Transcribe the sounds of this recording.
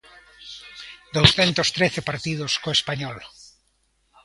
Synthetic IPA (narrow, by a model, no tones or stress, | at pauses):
d̪owsθent̪ost̪ɾeθepaɾt̪ið̞oskoespaɲɔl